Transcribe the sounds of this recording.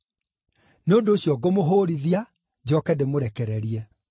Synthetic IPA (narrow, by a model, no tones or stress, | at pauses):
neondoːɕjɔɡomoɦoːɾiðia | d͡ʑɔkɛdemoɾɛkɛɾɛɾiɛ